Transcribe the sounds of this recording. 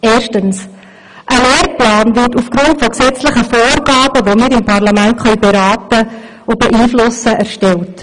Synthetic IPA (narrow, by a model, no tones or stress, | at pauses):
eːɾʃtəns | ʔəleːɾplɑːnvɪrtufɡ̥ɾʊntfɔksɛt͡slɪχəfoːɾɡɑːbəʋomɪːɾɪmpɑrlɑmæntχœɥbeɾɑːtə | ʊb̥ɛʔiːflʊsəʔæɾʃtɛlt